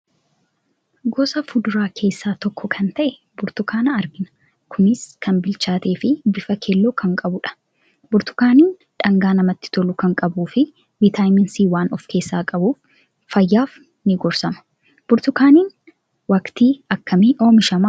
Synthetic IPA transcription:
ɡɔsɐfʊd̪ʊɾaːkʰe̞ːsːaːt̪ɔkːɔkʰɐnt̪ɐʔɛ | bʊɾt̪ʊkaːnɐɐɾɡɪnɐ̥ | kʰʊnɪskʰɐnbɪlt͡ʃaːt̪e̞ːfɪbɪfɐkʰelːoːkʰɐŋkʼɐbʊᶑɐ̥ | bʊɾt̪ʊ̥kaːniːn | ᶑɐŋɡaːnɐmɐt̪ːɪ̥t̪ɔlʊkɐŋkʼɐbuːfɪ | bɪt̪aːjmɪnsiːwaːnɔfkʰe̞ːsːaːkʼɐbuːfː | ɐjːaːf | nɪɡɔɾsɐmɐ̥ | b̥ʊɾt̪ʊkaːniːn | wɐkt̪iːɐkːɐmiʔoːmɪʃɐma

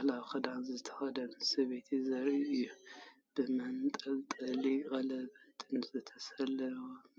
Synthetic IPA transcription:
alawxɐd̪anzɨt̪ʰɐ̥xɐd̪ɐnsɐβet̪ʰizɐɾiʔɨjːu | b̥ɨmɐnt̪ʼɐlt̪ʼɐliɣʼɐlɐbɨt̪ʼɨnzɨt̪ʰɐsɐlɐɾwo

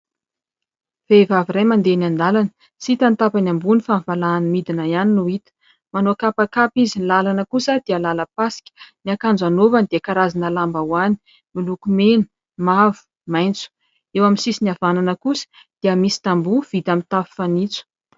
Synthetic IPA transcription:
v̥evaviɾajmand̪enand̪alanə̥ | sit̪ant̪apanambunifanvalaːnmid̪inajaninuit̪ə̥ | manoakapakapizinlalanəkusəd̪iəlaləpasi̥kʲə̥niakand͡zanovanid̪̥iakaɾazinəlambawani̥ | milukumenu̥ | mavu̥ | majnt͡su̥ | ewaminsisiniavananəkusə̥ | d̪̥iəmisi̥t̪ambuv̥it̪amit̪afi̥fanit͡su̥

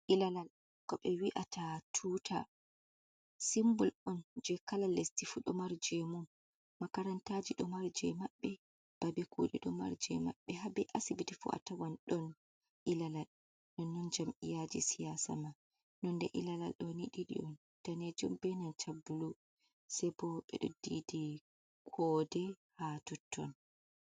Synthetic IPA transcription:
ʔilalal | kɔɓɛwiʔatatʰuːtʰa | simbulʔɔnd͡ʒɛkalalːestifuɗɔmaɾd͡ʒɛmumː | akaɾantad͡ʒiɗɔmaɾd͡ʒɛmaɓːɛ | b̥abɛkṵɗḭɗɔma̰ɾd͡ʒɛma̰ɓːɛɦabɛʔasibitifṵʔa̰tawanɗɔn | ʔilalal | nɔnːɔnd͡ʒamʔijad͡ʒisijasa̰ma | nɔndɛʔilala̰lɗɔniɗiɗḭɔn | taned͡ʒumbɛnant͡ʃabːulu | sɛbɔɓɛ̰ɗɔ̰didi | kʰɔdɛ | hatɔtʰːɔ̰n

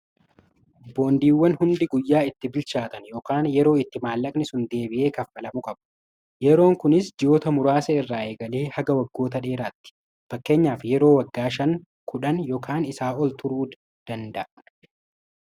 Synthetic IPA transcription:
bo̞ːnd̪iːwːɐnhʊnd̪ɪɡʊjːaːɪt̪ːɪbɪlt͡ʃaːt̪ɐnjoːkaːnjɛɾo̞ːɪt̪ːɪmaːlːɐkʼnɪsʊnd̪e̞ːbɪʔe̞ːkɐfːɐlɐmʊkʼɐbɐ̥ | jɛɾo̞ːŋkʊnɪsd͡ʒɪjo̞ːt̪ɐmʊɾaːsɐɪrːaːeːɡɐleːhɐɡɐwɐɡːo̞ːt̪ɐᶑe̞ːɾaːt̪ːɪ̥ | fɐkːe̞ːɲːaːfjɛɾo̞ːwɐɡːaːʃɐŋ | kʰʊᶑɐnjo̞ːkʰaːnɪsaːʔɔlt̪ʰʊɾuːd̪ | d̪̥ɐnd̪ɐʔ

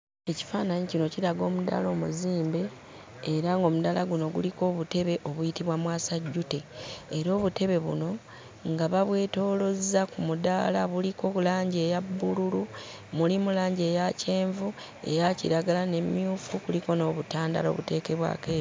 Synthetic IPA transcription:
e̞ci̥faːnaɲecino̞ciɾaɡo̞ːmuda̰lo̞ːmuziːmbe̞ː | ɾaŋɡo̞mudalaɡuno̞ɡṵliko̞ːβute̞βe̞ʔo̞βujitiβwamwaːsaɟːuteːɾo̞ːβute̞βe̞βṵno̞ | ŋɡaβaβwe̞ːto̞ːlo̞zːakumuda̰laβuliko̞kulaːɲɟe̞ːjabːululu | mulimulaːɲɟe̞ːjace̞ːɱvu | e̞̰jacḭɾaɡalane̞mːjuːfukuliko̞no̞ːβutaːnda̰lo̞̰βute̞ːke̞βwa̰keː

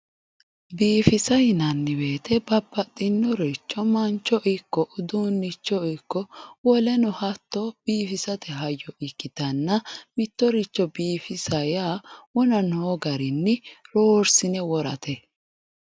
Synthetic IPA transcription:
biːfɪsɐjɪnɐnːɪbeːt̪ʰɛbɐbːɐt̪ʼːɪnːɔɾit͡ʃːɔmɐnt͡ʃːɔʔɪkːɔʔʊd̪unːɪt͡ʃːɔɪkːɔwɔlɛnɔhɐt̪ːɔb̥iːfɪsɐt̪ɛɦɐjːɔʔɪkːɪt̪ɐnːɐmɪt̪ːɔɾɪt͡ʃːɔbiːfɪsɐjawɔnɐnoːɡɐɾɪnːɪɾoːɾsɪnɛwɔɾɐ̰t̪ʰɛ

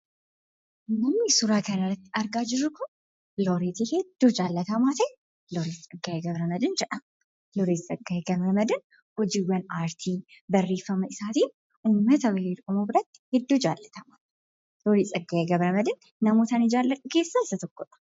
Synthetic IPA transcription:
nɐmnɪsʊɾaːkɐnɐrːɐt̪ːɪɐɾɡaːd͡ʒɪɾːʊkʊn | loɾeːt̪ihɛd̪ːuːd͡ʒaːlːɐt̪ɐmaːt̪ɛ | lɔɾiːst͡sʼɐɡːajeɡɐbɾɐmɐd̪ɪnd͡ʒɛᶑɐm | lɔɾiːssʼɐɡːaeɡɐβɾɐmɐd̪ɐn | hɔd͡ʒiːwɐnaːɾt̪ʰiː | bɐrːeːfːɐmɐɪsaːt̪iːn | uːmːɐt̪ɐwɪeːɾʊmobɪɾɐt̪ːɪ̥hɛd̪ːuːd͡ʒaːlːɐt̪ɐmaː | lɔɾiːt͡sʼɐɡːaːjeɡɐbɾɐmɐd̪ɪnːɐmoːt̪ɐnɪd͡ʒaːlːɐt̪ʼɐkeːsːaɪsɐt̪ɔkːɔᶑɐ̥

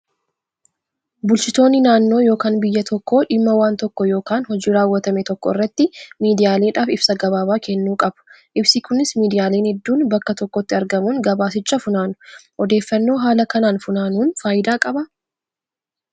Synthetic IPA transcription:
bʊlt͡ʃɪt̪o̞ːnːɪnaːnːo̞ːjo̞ːkaːnbɪjːɐt̪ʰɔkːo̞ːᶑɪmːɐwaːnt̪ɔkːɔjo̞ːkaːnhɔd͡ʒiːɾaːwːɐt̪ɐmɛt̪ɔkːɔ̰ɪ̰rːɐt̪ːɪmiːd̪ɪjaːle̞ːᶑaːfɪb̥sɐɡɐβaːbaːkʰɛnːuːkʼɐbʊ̥ | ʔɪbsɪkʊnɪsmiːd̪ɪjaːleːnhɛd̪ːuːnbɐkːɐt̪ɔkːɔt̪ːɪɐɾɡɐmuːnɡɐbaːsɪt͡ʃʼːɐfʊnaːnʊ̥ʔɔd̪e̞ːfːɐnːo̞ːɦaːlɐkɐnaːnfʊnaːnuːnfaːjɪd̪aːkʼɐbɐ

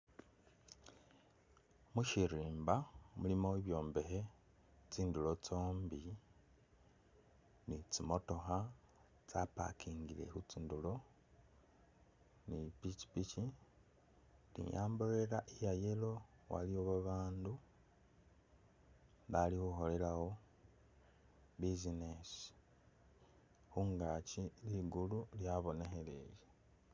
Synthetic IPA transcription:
muʃiɾiːmbamulimo̞eβjo̞ːmbe̞xe̞ | t͡siːndulo̞t͡so̞ːmbi | nit͡simo̞to̞xa | t͡sapa̰kʰiːŋɡile̞̰xut͡sindulo̞ | nipit͡ʃi̥pit͡ʃi | lḭjaːmbole̞laʔijajelo̞ | wa̰lioβaβaːndu | βalixuxo̞le̞lawo̞ | βizinesi̥ | xuŋɡaciliɡululjaβo̞ne̞xe̞le̞̰je

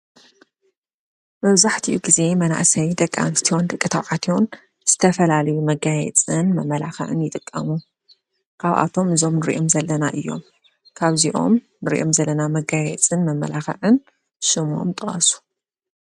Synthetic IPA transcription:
mɐβzaħt̪ʰiʔuɡize̞mɐna̰ʔsɐjd̪ɐkʼːa̰nt̪ɨ̥t̪ʰiond̪ɨkʼːɨt̪ʰɐwʕat̪ʰion | z̥ɨt̪ʰɐfɐlalɐjumɐɡajɛ̰t͡sʼɨnmɐmːɐlaxɐ̰ʕɨnjɪt̪ʼɨkʼːɐ̰mu | kʰaβʔa̰t̪ʰo̞mʔɨzo̞mnɨɾiʔomzɐlːɐnaʔɨjːo̞̰m | kʰaβziʔo̞̰m | nɨɾiʔomzɐlːɐnamɐɡajɛ̰t͡sʼɨnmɐmːɐ̰laxɐ̰ʕɨn | ʃɨmo̞̰mt̪ʼɨχʼɐsu̥

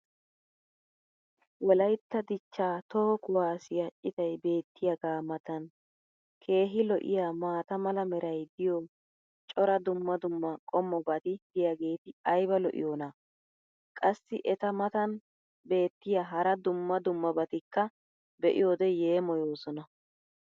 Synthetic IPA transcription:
wɔlɐjt̪ːɐd̪ɪt͡ʃːaːt̪ɔɔkʊwaːsɪjɐt͡ʃʼːɪt̪ɐjbe̞ːt̪ːɪjɐɡaːmɐt̪ɐn | kʰe̞ːɦɪlɔʔɪ̰jaːmaːt̪ɐmɐlɐmɛɾɐjd̪ɪjɔ | t͡ʃʼɔɾɐd̪ʊmːɐd̪ʊmːɐkʼɔmːɔbɐt̪ɪd̪ɪjaɡe̞ːt̪ɪɐjbɐlɔʔɪ̰joːna | kʼɐsːɪʔɛt̪ɐmɐt̪ɐn | be̞ːt̪ːɪjaɦɐɾɐd̪ʊmːɐd̪ʊmːɐbɐt̪ɪkːɐ | bɛʔɪ̰joːd̪ɛje̞ːmɔjo̞ːsɔnɐ

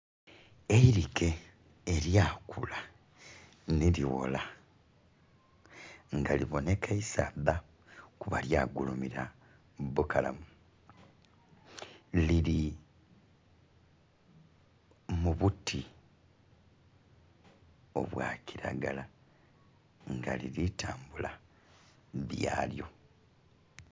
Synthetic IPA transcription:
eiɾike̞ː | ɾjaːkʰula | niliwo̰la | ŋɡaliβo̞ne̞kʰaisaːda | kuβa̰ljaːɡulumiɾa | bukala̰mu | liɾi | muβutʰi | o̞̰βwaciɾa̰ɡala | ŋɡaliɾitʰaːmbula | βjaːljo̞̰

